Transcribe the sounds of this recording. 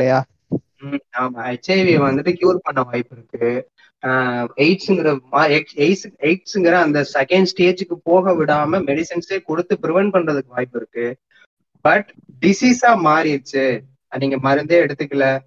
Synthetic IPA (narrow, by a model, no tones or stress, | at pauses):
ɪlːɐjaː | aːmaːɐɪt͡ʃːɐɪʋiʋɐnd̪ɯʈːɯkjuːɾpɐɳːɐʋaːjɪpːɪɾɯkːɯ | eɪʈsɯŋɡɪɾɐmaːɛseɪseɪʈsɯŋɡɪɾɐ̃ːnd̪ɐsɛkɛɳɖsʈeːd͡ʒɯkːɯpoːɣɐʋɪɽaːmɐmɛɽɪsɐnseːkɔɽɯt̪ːɯpɪɾɪʋɛnpɐɳɾɐðɯkːɯʋaːjɪpːɪɾɯkːɯ | bɐʈɖɪsiːsaːmaːɾɪɾɯt͡ʃːɯ | niːŋɡɐmɐɾɯnd̪eːɛɽɯt̪ːɯkːɪlːɐ